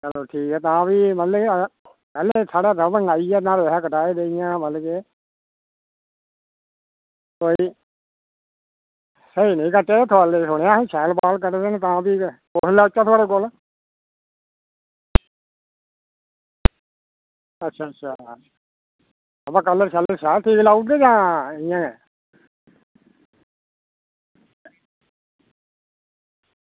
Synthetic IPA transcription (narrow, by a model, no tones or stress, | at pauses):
d͡ʒəlːoːʈʰiːkɛːt̪ãːpiːmət̪le | pɛːleːsaːɽaːɾəməŋaːiɛːnãːɾeːɦɛːkəʈaːeːd̪eːɪjãːməlkeː | t̪oːiː | səiːnəĩːkəʈːeːt̪ʰoalesʊɽ̃ejãːt͡ʃʰɛːlpaːlk̬əɾd̪eːnet̪ãːpiːkoːɦlaːʊt͡ʃːãːt̪ʰoaːɽeːkol | ətːʃʰaːtːʃʰaː | əpãːkəlːəɾt͡ʃaləɾʃaːlʈ̪ʰiːklaːuʈd̪eːd͡ʒãːɪjãːɛ̰ː